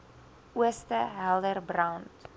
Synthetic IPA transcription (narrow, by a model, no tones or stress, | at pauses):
uəstəɦɛlˠdərbrawnt